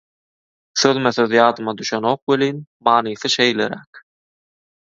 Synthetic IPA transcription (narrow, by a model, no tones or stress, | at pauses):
θøðmeθøðjɑːd̪ɯmɑd̪yʃeno̞ːq̚weliːnmɑːnɯːθɯʃejleɾæk